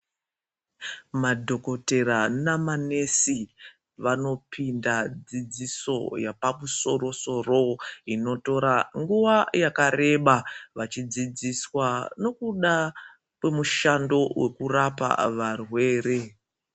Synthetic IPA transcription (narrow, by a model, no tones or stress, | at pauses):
madʱo̞ko̞te̞ɾanamane̞si | ʋano̞pʰindad͡zid͡ziso̞̰japamuso̞ro̞so̞ro̞ino̞to̞ɾaŋɡuʋajakaɾe̞ɓaʋat͡ʃid͡zid͡ziswano̞kuɗa | kwe̞muʃando̞wʔe̞kurapa̰ʋarwe̞ːre̞